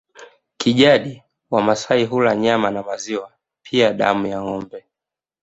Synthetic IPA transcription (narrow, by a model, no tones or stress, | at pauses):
kiʄaɗi | wamasaiɦulaɲamanamaziwa | pʰiaɗa̰mujaŋɔmbɛ